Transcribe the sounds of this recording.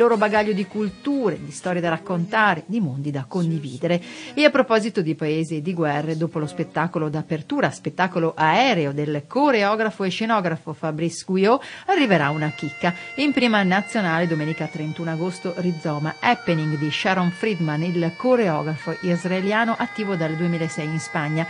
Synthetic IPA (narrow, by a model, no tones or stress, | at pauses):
ilːoːɾobaɡaʎːod̪ikult̪uːɾed̪ist̪ɔːɾjed̪aɾakːont̪aːɾed̪imond̪id̪akːond̪ivḭːd̪eɾeeapːɾopɔːzit̪od̪ipaeːzed̪iɡwɛrːed̪oːpolospet̪ːaːkolod̪apert̪uːɾaspet̪ːaːkoloʔaɛːɾeod̪elkoɾeɔːɡɾafoeʃenɔːɡɾafofabɾisɡujoarːiveɾaunak̟ikːaimpɾiːmanat̪sːjonaːled̪omeːnikat̪ɾent̪uːnaɡost̪orid̪zːɔːmaɛpːeniŋɡd̪iʃaɾonfɾid̪manilkoɾeɔːɡɾafoʔizraeljaːnoʔat̪ːiːvod̪ald̪uemiːlaesɛjinspaɲːa